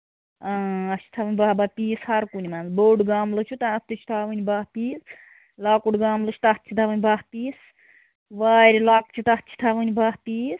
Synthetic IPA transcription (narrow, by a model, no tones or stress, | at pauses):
aːɐt͡ʃʰi̥t̪ʰaʋənʲbaːbapʲiːshɐɾkunʲimanzboːɖɡaːmlɨt͡ʃʰut̪aɐt̪ɨt͡ʃʰu̥t̪ʰaːʋɨnʲibaːɦpiːs | laːkuɖɡaːmlɨt͡ʃʰt̪at̪t͡ʃʰit̪ʰaʋɨnʲbahpiːs | ʋaːɾʲilaːk̚t͡ʃʰit̪ɐt̪t͡ʃʰi̥t̪ʰaːʋɨnʲibaːɦpiːs